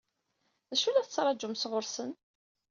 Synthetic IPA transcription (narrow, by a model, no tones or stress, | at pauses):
ðæʃulæθət͡sːɾˤɑd͡ʒʊmsʁʊɾsən